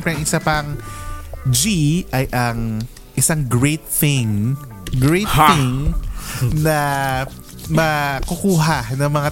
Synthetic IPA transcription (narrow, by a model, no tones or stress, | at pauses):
pɾɛɐŋʔɪsapɐŋ | d͡ʒiʔɐjʔɐŋ | ʔɪsaŋɡɹɛjt̪̚θɪŋ | ɡɹɛjt̪ɪŋ | nɐ | mɐkʊkuːɦanɐŋmɐŋa